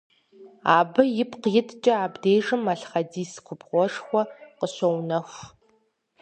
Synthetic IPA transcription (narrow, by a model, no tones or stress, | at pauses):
aːbɐjɪpʰqjɪtʰt͡ʃʼɐaːbdeːʐɨmɐɬχɐdiːskʷʰʊbʁʷɔʂxʷɔqəɕɐwnɐx